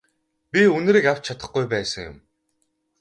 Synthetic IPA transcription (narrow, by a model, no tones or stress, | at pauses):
pʲiɵn̆ɾiːkaw̥t͡ɕt͡ɕʰat̪ə̆χɡujpæːsə̆ŋjʊ̰m